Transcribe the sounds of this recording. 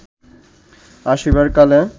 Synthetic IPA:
aʃibaɾkale

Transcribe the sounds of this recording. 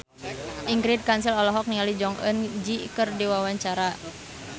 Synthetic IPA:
ʔiŋɡɾid̚kansilɔlɔɦɔk̚niŋalid͡ʒɔŋʔə̰nd͡ʒikərdiwawaɲt͡ʃaɾa

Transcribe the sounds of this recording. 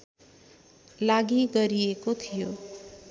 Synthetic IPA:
laɡiɡʌɾijekot̪ʰijo

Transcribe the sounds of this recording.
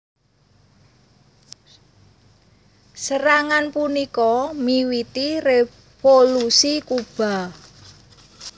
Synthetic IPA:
səɾaŋanpunikɔmiwit̪ire | folusikub̥a̤

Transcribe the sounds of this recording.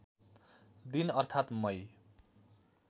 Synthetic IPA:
d̪inʌrt̪ʰat̪mʌj

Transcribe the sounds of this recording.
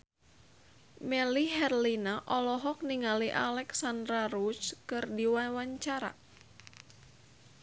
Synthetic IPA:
mɛliɦɛrlinaʔɔlɔɦɔk̚niŋaliʔa̰lɛksandɾaɾut͡ʃkɨrdiwawaɲt͡ʃaɾa̰

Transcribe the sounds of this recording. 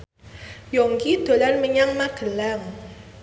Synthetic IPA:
jɔŋkid̪̥o̤lanməɲaŋmaɡ̥ə̤laŋ

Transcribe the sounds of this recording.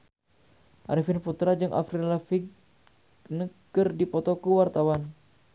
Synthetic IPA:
ʔaɾifinput̪ɾad͡ʒɨŋʔa̰fɾilafiɡ | nəkɨrdipɔt̪ɔkəwart̪awan

